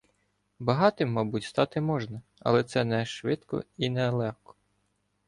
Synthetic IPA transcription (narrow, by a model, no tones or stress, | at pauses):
bɐɦɑt̪ɪmːɑbutʲst̪ɑt̪ɪmɔʒnɐɐ̰lˠɛt̪sɛnɛʃʋɪt̪kɔ̰inɛlˠɛxkɔ̥